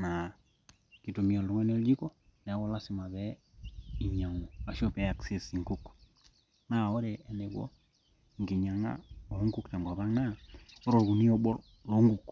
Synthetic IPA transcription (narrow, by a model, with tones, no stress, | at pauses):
na˨ | ki˨to˨mi˨a˨lu˨˦ŋa˦ne˦ld͡ʒi˦ko˦ | nɛ˨˦kɔ˦la˦sɪ˨ma˨βɛ˦ | i˨ɲa˨ŋo˨a˨ʃo˦pɛ˨˦a˨kse˨si˨ŋɡu˦k | na˦˨o˦ɾe˨ɛ˨ne˨kwo̰˦ | ŋɡi˨ɲa˨ŋa̰˦o˨˦ŋɡu˦kta˨ŋɡwa˨ba˦ŋna˦o˦ɾo˨ɾku˨ni˦o˦bɔ˦r | lo˨˦ŋɡu˨k